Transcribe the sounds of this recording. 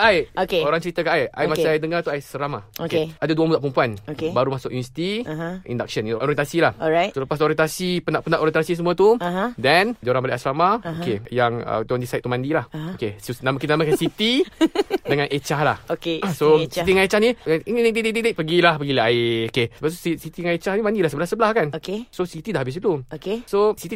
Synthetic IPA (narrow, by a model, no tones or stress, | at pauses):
ajoeoɾaŋt͡ʃəɾit̪akaʔaja̰jmasaajdəŋart̪uajsəɾamaokeeadaduamuzaʔpumpuanokebaɾumasʊkʔjunəsi̥t̪iʔḭndak̚ʃənʔoɾiɛnt̪asilahasələpasoɾiɛnt̪asipənaʔpənaʔoɾjɛ̃nt̪asis̬əmũat̪uɦdɛnd͡ʒoɾaŋbaliʔasəlamaokejaŋə̰d̪ondisait̪t̪ːumãndilahokesonamakit̪anamakansit̪i | dəŋãnʔet͡ʃahlahokesoit̪iŋaet͡ʃahninnededededeʔpəɡilahpəɡilaeokesəbap̚su̥sisit̪iŋet͡ʃahnimãndilahsəbəlahsəbəlahkanokesosit̪idahabis̬iluokesosit̪i